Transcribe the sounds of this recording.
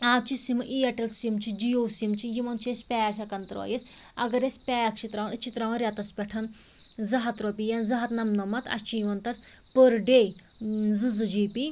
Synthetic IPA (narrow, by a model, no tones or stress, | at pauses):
aːt̪̚t͡ʃʰisimɨʔiːɐʈɐlsimt͡ʃʰid͡ʒijoːsimt͡ʃʰijimɐnt͡ʃʰiesʲpʲɛːjɐkʰʲakɐnt̪ɾo̰ːjes | ɐ̰ɡɐɾesʲpʲɛːjɐkʰt͡ʃʰit̪ɾaːnɨt͡ʃʰit̪ɾaːʋɐnɾjat̪ɐspʲɛʈʰɐn | zɐɦɐt̪ɾopʲijɐnzɐɦɐt̪nɐmnɐmɐt̪ʰɐ̰t͡ʃʰijimɐnt̪ɐt̪ | pəɾɖej | zɨzɨd͡ʒiːpi